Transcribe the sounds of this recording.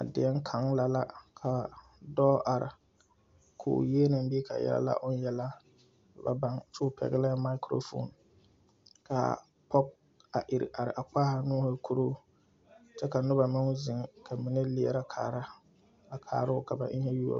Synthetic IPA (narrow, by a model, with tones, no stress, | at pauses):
a˨dɪ˨ɛ˦ŋ˦kʰa˨ŋla˨la˦kʰa˨ | dɔ˦ʔa˨ɾɪ̰˨ | kʰʊ̰ː˨jeː˦na˨mbi˦e˦ka˨jɛ̰˦la̰˦la̰˦ʔʊ˦n˦jɛ˦la˦˨ | ba̰˨ba˨ŋt͡ʃʊː˦pʰɛ̰˨ɡɪ˦la˦ma˦ɪ˦kɾo̰˦fo̰˦˨n | ka̰˨ | pɔ˦k̚ | a˨ʔɪ˨ɾɪ̰˨ʔa˨ɾɪ̰˨ʔa˨k͡paː˦ha˨nʊ˦ha˦kʰu˦ɾo˦ | t͡ʃɛ˦ka˨nʊ˦ba˨mɪ˦ŋ˦zɪ˨ŋkʰa˨mɪ˨nɪ˦lɪ˨˦ɛ˨ɾa˦kʰa̰ː˨ɾa˦ | a˨kʰa̰ː˨ɾʊ˦ʊ˦ka˨ba̰˨ʔɪ˦ŋ˦ɛ˦ju˦o̰˨